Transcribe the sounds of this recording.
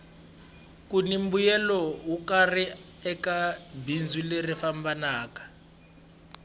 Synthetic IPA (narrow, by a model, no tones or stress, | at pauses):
kunim̩bujɛlɔwukari | ɛkabind͡zulerifambanaːkḁ